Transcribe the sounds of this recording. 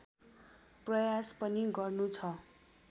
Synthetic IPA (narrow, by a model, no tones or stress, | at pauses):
prʌjaspʌniɡʌrnut͡sʰʌ